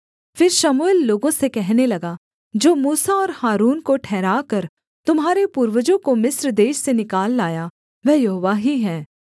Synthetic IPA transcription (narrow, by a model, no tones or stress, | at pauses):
fɪɾʃɐmuelːoːɡõsekɛɦnelɐɡa | d͡ʒoːmuːsaɔːɾhaːɾuːnkoʈʰɛːɾaːkɐɾ | t̪ʊmɦaːɾepuːɾʋəd͡ʒõkomɪsɾd̪eːʃsenɪkaːlːaːja | ʋɛːjɐɦoːʋaɦiɦɛ̃ː